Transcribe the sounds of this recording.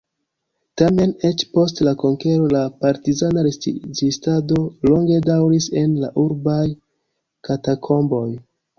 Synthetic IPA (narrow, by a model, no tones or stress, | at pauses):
tame̞ne̞t͡ʃpo̞stlakoŋke̞ɾo̞lapaɾtizanaɾesizistado̞lo̞ŋɡe̞dawɾise̞nlaʔuɾbaj | katakʰo̞mbo̞j